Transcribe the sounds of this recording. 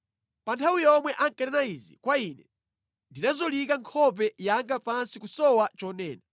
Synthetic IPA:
pantʰawijɔmwɛʔaŋkɛɾɛnaizḭkwainɛ | ndinazɔlikaŋkʰɔp̬ɛjaŋɡapansikusɔwat͡ʃɔnɛːna

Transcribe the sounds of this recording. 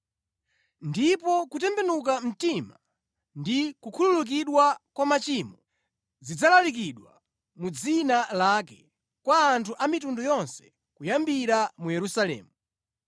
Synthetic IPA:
ndipɔkut̬ɛmbɛnuk̬am̩tima | ndikukʰululuk̬iɗwakwamat͡ʃimɔ | zid͡zalalik̬iɗwa̰ | mud͡zinalakɛ | kwaːntʰuʔamitundujɔnsɛ̥ | kujambiɾamujɛɾusalɛ̰ːmu

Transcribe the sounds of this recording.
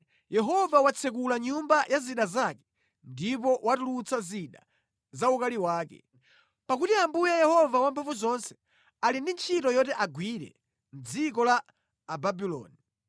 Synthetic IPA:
jɛɦɔvawat͡sʰɛk̬ulaɲumbajʔaziɗazakɛ̥ | ndip̬ɔwatulut͡saziɗa̰ | zaukaliwaːkɛ̰ | pakutiambujɛjɛhɔvawampʰafuzɔnsɛ̥ | alindint͡ʃʰitɔjɔtɛʔaɡwiɾɛ̰ | m̩d͡zik̬ɔlaː | babilɔ̰ːni

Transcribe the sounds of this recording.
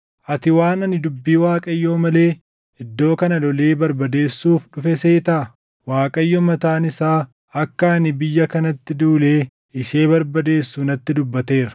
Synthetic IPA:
ʔɐt̪ɪwaːnɐnɪd̪ʊbːiːwaːkʼɐjːoːmɐle̞ː | ɪd̪ːo̞ːkɐnɐlɔle̞ːbɐɾbɐd̪e̞ːsːuːfᶑʊfɛseːt̪ɐ | waːkʼɐjːɔmɐt̪aːnɪsaː | ɐkːɐːnɪbɪjːɐkɐnɐt̪ːɪd̪uːleː | ɪʃe̞ːbɐɾbɐd̪e̞ːsːuːnɐt̪ːɪd̪ʊbːɐt̪e̞ːɾɐ̥

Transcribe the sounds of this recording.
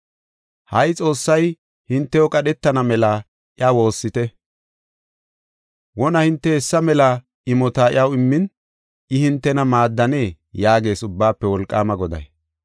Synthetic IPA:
hɐjt͡sʼo̞ːsːɐj | hɪnt̪ːɛjɔkʼɐɗɛt̪ːɐnɐmɛlɐ | ʔɪawo̞ːsːɪt̪ɛ | wɔnɐhɪnt̪ːɛɛsːɐmɛlɐ | ɪmɔt̪aɪ̰ɐwɪmːɪn | ɪhɪnt̪ːɛnɐmaːd̪ːɐne̞ː | jaːɡe̞ːsʊbːaːpːɛwɔlkʼːa̰ːmɐɡɔd̪ɐ̰j

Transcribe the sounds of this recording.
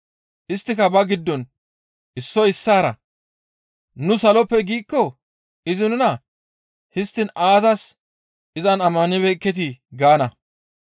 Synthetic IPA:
ʔɪst̪ːɪkɐbɐɡɪd̪ːɔn | ʔɪsːɔɪsːaːɾɐ̰ | nʊsɐlɔpːɛɡiːkːɔ | ɪzɪnʊnɐ | hɪst̪ːɪnaːzɐs | ʔɪzɐnɐmːɐnɪβɛkːɛt̪̬ɪɡaːnɐ

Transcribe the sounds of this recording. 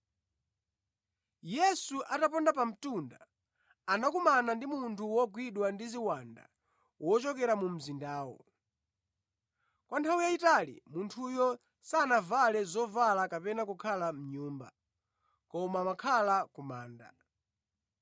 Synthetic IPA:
jɛsuʔatapɔndap̬am̩tunda | anakumanandimuntʰuwɔɡwiɗwandiziwanda̰ | wɔt͡ʃɔkɛɾamum̩zindaːwɔ̰ | kwantʰawijaitalḭmuntʰujɔ | sanavalɛzɔvalakapɛnakukʰalam̩ɲuːmba̰ | kɔmaːmakʰalakumaːnda

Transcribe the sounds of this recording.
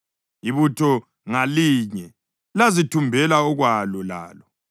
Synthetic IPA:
iβutʰɔ | ŋaliɲɛ | lazitʰumbʱɛlaɔɣwalɔla̰ːlɔ

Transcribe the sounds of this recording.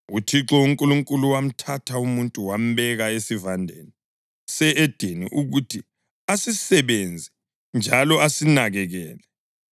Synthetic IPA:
utʰiǁɔuŋkʼuluŋkʼuluwam̩tʰatʰaumuntʼuwam̩βɛɣaesivandʱeni | sɛʔed̥ʱinḭʔuɣutʰi | asisɛβend͡zʱɛ | nd͡ʒʱalɔasinaɣɛɣɛːlɛ

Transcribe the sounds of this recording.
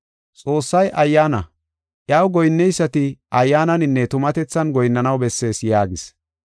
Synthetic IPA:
t͡sʼo̞ːsːɐjʔɐjːaːnɐ | ʔjɐwɡɔjnːɛjsːɐt̪ɪʔɐjːaːnɐnɪnːɛt̪ʊmɐt̪ɛt͡sːɐnɡɔjnːɐnɐwbɛsːe̞ːsjaːɡɪs

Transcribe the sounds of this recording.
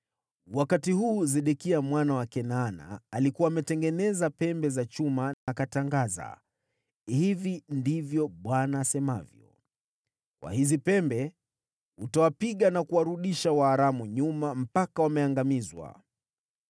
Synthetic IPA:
wakatihuːzɛɗɛkiamwanawakɛnana̰ːlikuwaːmɛtɛŋɡɛnɛzapɛmbɛzat͡ʃumanaːkataŋɡaza̰ | hivindivjɔɓwanaːsɛmavjɔ̰ | kwa̰hizipɛmbɛ | utawapiɠanakuwaɾuɗiʃawaːɾamuɲumam̩pakawamɛaŋɡamizwa̰

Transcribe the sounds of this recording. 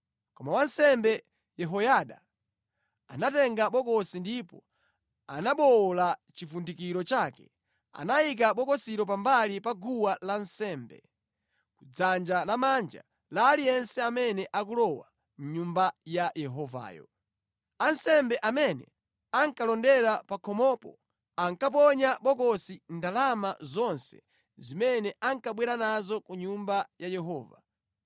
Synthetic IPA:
kɔmawansɛmbɛ | jɛɦɔjaɗa̰ | anatɛŋɡaɓɔkɔsindipɔ | a̰naɓɔlat͡ʃifundikiɾɔt͡ʃakɛ̥ | a̰naik̬aɓɔkɔsiɾɔp̬ambalipaɡuwalansɛːmbɛ̰ | kud͡zand͡ʒalamand͡ʒa̰ | laːlijɛnsɛamɛnɛʔak̬ulɔwa | m̩ɲumbajajɛɦɔva̰ːjɔ̰ | ansɛmbɛʔamɛnɛ̰ | aŋkalɔndɛɾapakʰɔmɔpɔ̰ | aŋkap̬ɔɲaɓɔkɔsindalamazɔnsɛ̥̰ | zimɛnɛʔaŋkaɓwɛɾanazɔkuɲumbajajɛɦɔːva

